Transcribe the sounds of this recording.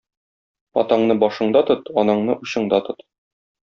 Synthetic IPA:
ɒ̰t̪ɑɴnɤbɒʃɤ̆ɴd̪ɑt̪ɤt̪ɒnɑɴnɤʔuɕɤ̆ɴd̪ɑt̪ɤt̪

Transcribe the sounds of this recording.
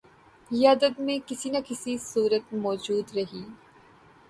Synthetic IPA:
ɪjaːd̪əd̪mẽkɪsinɐkɪsisuːɾət̪̚mɔːd͡ʒuːd̪ɾɐɦiː

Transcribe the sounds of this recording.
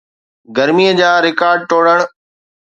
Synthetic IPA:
ɡəɾmiːəd͡ʑaːɾɪkaːɾɖ̚ʈoːɽəɽ̃

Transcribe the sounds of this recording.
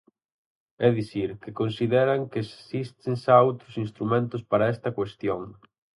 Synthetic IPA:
ɛðiθiɾkɪkonsiðɛɾɐŋkesist̪ensaowt̪ɾʊsinst̪ɾumẽnt̪ʊspaɾɐɛst̪ɐkwest̪joŋ

